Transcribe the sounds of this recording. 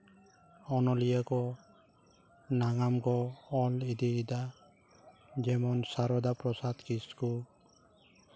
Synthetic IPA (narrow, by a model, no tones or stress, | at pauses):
ɔnɔlijakɔ | naŋamɡɔːlid̪id̪a | d͡ʒɛmɔnsaɾɔd̪apɾɔsad̪kiskul